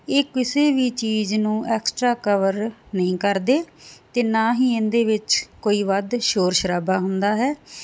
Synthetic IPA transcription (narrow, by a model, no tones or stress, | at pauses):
eːkɪseːʋiːt͡ʃiːznũːʔɛːksʈɾaːkəʋəɾnəĩːkəɾd̪eːt̪eːnaːɦiːɪ̃nd̪eːʋɪt͡ʃkoːiːʋəd̪ʃoːɾʃəɾaːbaːɦʊnd̪aːɦɛː